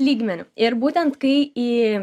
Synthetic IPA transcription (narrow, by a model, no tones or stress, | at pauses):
lʲiːɡmʲɛnʲʊɪɾbuːt̪ʲɛnt̪kɐɪiː